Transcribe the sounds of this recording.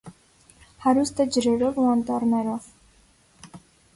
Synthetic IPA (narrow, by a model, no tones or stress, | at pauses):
haɾust̪ad͡ʒɾɛɾɔvuant̪ʼɑɾnɛɾɔv